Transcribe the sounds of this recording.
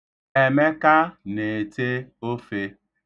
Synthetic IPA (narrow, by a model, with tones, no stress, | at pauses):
e˨me˦ka˦ne˨te˦o˦fe˦